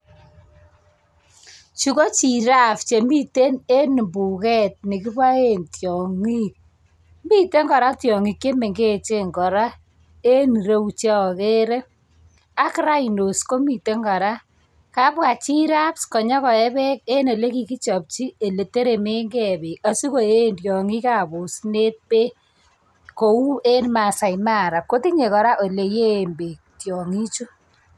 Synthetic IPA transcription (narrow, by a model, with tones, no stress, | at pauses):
t͡ʃu˨˦ko˦t͡ʃi˨ɾa˦pt͡ʃe˨mi˦te˦ne˦n˨mbu˨kɛ˦t̚ni˨ki˦pwa˦e˦ntjɔ˨ŋi˦k̚ | mi˦te˦ŋɡɔ˨ɾa˦tjɔ˨ŋi˨kːe˦me˨ŋɡe˦˨t͡ʃe˦ŋɡɔ˨ɾa˦ | e˦ni˨ɾe˦˨t͡ʃa˦ɔ˨ke˦ɾe˦ | a˦kɾa˦i˨no˨sko˦mi˨te˦ŋɡɔ˨ɾa˦ | ka˦pwa˨t͡ʃi˦ɾa˦pskɔ˨ɲɔ˦kɔ˨ɛ˦bɛ˦k̚e˦ne˨le˦ki˨ki˦t͡ʃɔ˨p̚t͡ʃi˦e˨le˨te˦ɾe˨me˦ŋɡɛ˦be˨ka˨su˦ko˨e˦˨ndjɔ˨ŋi˦ka˨bo˨sne˦t̚pe˦ | ko˨u˦e˦nma˨sa˨jma˦˨ɾa˨ko˦ti˦ɲe˨kɔ˨ɾa˦ʔo˨le˨je˦˨mbe˨ | tjɔ˨ŋi˦t͡ʃu˦